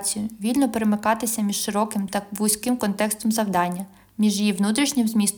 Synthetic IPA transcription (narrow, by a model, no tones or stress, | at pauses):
t͡sʲijʊʋʲilʲnɔpeɾemɪkɑt̪ɪsʲɐmʲiʃʃɪɾɔkɪmt̪ɐbujsʲkɪmkɔnt̪ɛkst̪ɔmzɐwd̪ɑnʲːɐ | mʲiʒjiʋnut̪ɾʲiʃnʲɪmzmʲist̪